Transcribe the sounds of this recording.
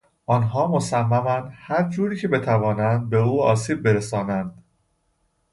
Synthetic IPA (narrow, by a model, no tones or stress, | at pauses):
ʔɒːnɦɒːmosæmːæmænd̪hæɾd͡ʒuːɾiːcʰe̞be̞t̪ʰævɒːnænd̪̚be̞uːɒːsiːb̚ːeɾesɒːnænd̪̥